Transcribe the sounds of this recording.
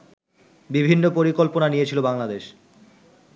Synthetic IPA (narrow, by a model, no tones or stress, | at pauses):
bibʱinːopoɾikolponanijet͡ɕʰilobaŋlad̪eʃ